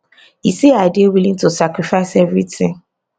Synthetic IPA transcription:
iseaɪdiewilĩŋtusakɾifaɪsɛvɾitɪ̃ŋ

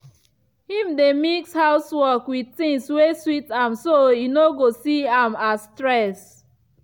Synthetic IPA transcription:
hĩmdemikshaʊswɔkwid̚tĩŋsweswitãmsojinoɡosiãmastɹɛs

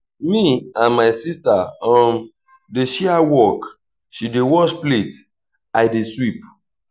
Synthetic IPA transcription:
miãnmaɪsistaɔ̃n | deʃiawɔk | ʃidewɔʃplet | ajdeswip

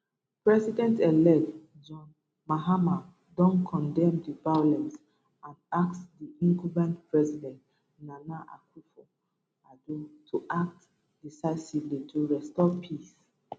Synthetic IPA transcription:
pɹɛsidɛ̃ntɛlɛk̚t | d͡ʒɔ̃n | maɦama | dɔ̃nkʰɔ̃ndɛ̃mdivajolɛ̃ns | ãndaksdiĩŋkubãntpɹɛzidɛ̃nt | nanaʔa̰kʰufɔ | adutʰuʔak̚t | d̥isaɪsivlitʰuɹɛstɔpʰis

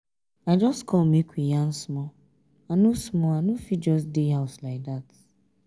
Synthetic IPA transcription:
aɪd͡ʒɔstkʰɔlmikʷijan̩smɔ | anusmɔanufit̚d͡ʒɔstdeɦaʊslaɪk̚dat

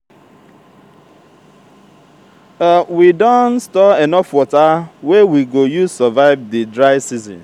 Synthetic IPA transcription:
awidɔ̃nstɔɛnɔfwɔtawɛwiɡojusɔvaɪvdidɾaɪsizɔ̰̃n

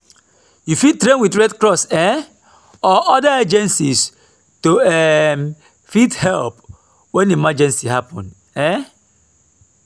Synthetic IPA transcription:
jufid̚tɾẽnwiθɹɛdkɾɔsɛ | ɔʔɔdaed͡ʒɛ̃nsis | toɛm | fithɛlp | wɛ̃nemad͡ʒɛ̃nsiɦapɔ̃n | ɛ

